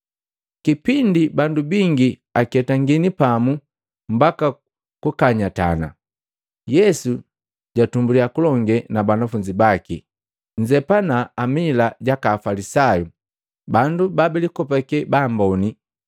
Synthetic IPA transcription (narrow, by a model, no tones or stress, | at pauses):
kipindibandubiŋɡi | akɛtaŋɡinipamu | m̩baka | kukaɲata̰na̰ | jɛsu | ɟatumbuliakulɔŋɡɛnabanafuɲd͡ʒibaki | ɲd͡ʒɛpanaːmilaɟakaːfalisaju | bandubabɛlikɔpɛkɛbaːmbɔni